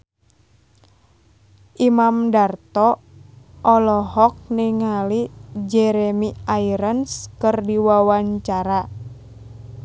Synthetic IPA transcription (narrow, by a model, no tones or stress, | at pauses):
ʔimamdart̪ɔ | ʔɔlɔɦɔk̚niŋalid͡ʒɛɾemiaiɾənskɨrdiwawaɲt͡ʃaɾa